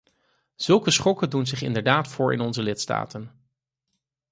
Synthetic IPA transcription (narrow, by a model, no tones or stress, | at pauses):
z̥ɵlˠkəsχɔkədunzɪχɪ̰ndəɹdaːtfʊːɹʔɪ̰nɔnzəlɪtsta̰ːtən